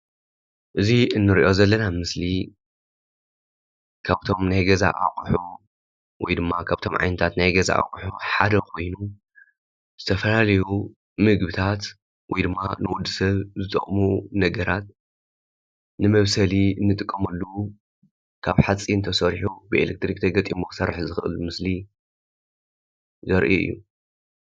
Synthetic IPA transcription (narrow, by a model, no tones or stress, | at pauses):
ʔɨziɨnːɨɾiʔo̞zɐlːɐnamɨsli | kʰaβt̪ʰo̞mnajɡɐza̰ʔa̰kʼħu | wɔjd̪ɨmːakʰaβt̪ʰo̞mʕa̰jnɨt̪ʰat̪najɡɐza̰ʔa̰kʼħuħad̪ɐkʰo̞jnu | z̥ɨt̪ʰɐfɐlalɐju | mɨɡbɨt̪ʰat̪ | wɔjd̪ɨmːanɨwʊd̪ːɨsɐβzɨt̪ʼɐ̰χʼmunɐɡɐɾat̪̚ | nɨmɐβsɐliɨnːɨt̪ʼɨkʼːɐmɐlːu | kʰaβħat͡sʼːiɨnt̪ʰɐsɐɾħubɨelek̚t̪ɾikt̪ʰɐɡɐt̪ʼimoksɐɾħzɨxɨʔɨ̰lmɨsli | zɐɾʔḭɨ̰jːu